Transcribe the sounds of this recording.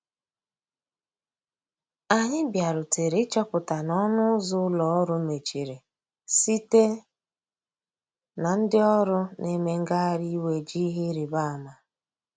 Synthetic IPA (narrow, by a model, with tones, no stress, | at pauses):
a˨ɲɪ˦bja˨ɾʊ˨te˨ɾɪ˦t͡ʃɔ˦pʊ˨ta˨nɔ˦nʊ˦zʊ˦lɔ˨ɔ˦ɾʊ˦me˨t͡ʃi˨ɾe˨ | si˦te˦ | na˨n̩˦dɪ˦ɔ˦ɾʊ˦ne˦me˦ŋ̩˦ɡa˦a˦ɾi˦we˨d͡ʒi˦ɦi˦ɾi˨ba˦a˨ma˨